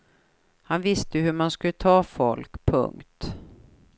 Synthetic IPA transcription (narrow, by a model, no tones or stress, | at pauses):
hanvɪst̪əɦɵmanskɵlːət̪ʰɑːfɔlkpʰɵ̰ŋkt̪